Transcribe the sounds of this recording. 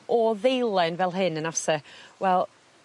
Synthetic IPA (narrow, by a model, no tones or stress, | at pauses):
ɔðejlˠɛnvɛlˠɦɪnənasəwɛlˠ